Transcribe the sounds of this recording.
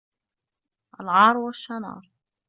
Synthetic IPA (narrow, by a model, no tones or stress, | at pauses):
ʔalʕɑːɾˤwaʃːɑnɑ̰ːɾˤ